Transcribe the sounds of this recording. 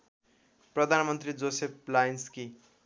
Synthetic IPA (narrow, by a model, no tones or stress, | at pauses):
prʌd̪ʱanmʌnt̪rid͡zosep̚lajnski